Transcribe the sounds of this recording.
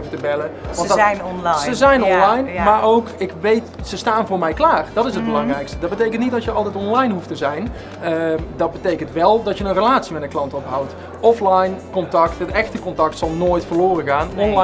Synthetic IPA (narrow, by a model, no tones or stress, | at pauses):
vətəbɛləʋɑnnɔnsəzɛjnɔnlɑjnmaːɹowkɪkʋejtsəstaːnvʊːɹmɛjklaːrd̥ɑtɪsəd̚bəlɑŋrɛjkstədɑd̚bətejkəntnit̚dɑtjəɑlˠtɛjtɔnlɑjnɦuftəzɛjn | ədɑd̚bətejkəntʋɛlˠdɑtjənənrəlaːtsimɛtənklɑntɔpɦawt | ɔflajnkɔntɑktɦətɛxtəkɔntɑk̚tsɑlˠnoːjtfəːɹloːrəɣaːnɔ